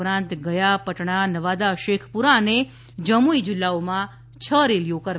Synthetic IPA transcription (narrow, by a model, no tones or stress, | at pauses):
ɾãnt̪ɡəjapəʈɳanəʋad̪aʃekʰpuɾaəne | d͡ʒəmuid͡ʒɪlːaomã | t͡ʃʰəɾelijokəɾʋ